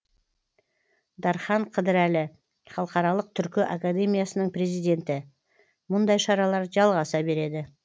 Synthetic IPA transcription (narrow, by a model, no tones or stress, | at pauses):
d̪ɑɾχɑɴqʰəd̪ɪɾælɪ | χɑlˠəqɑɾɑlˠəq̚t̪ʰʏɾkʲɪʔakad̪e̞mijasənəɴpɾe̞zijd̪e̞nt̪ɪ | mʊnd̪ɑjʃɑɾɑlˠɑɾʒɑlˠʁɑsɑbe̞ɾe̞d̪ɪ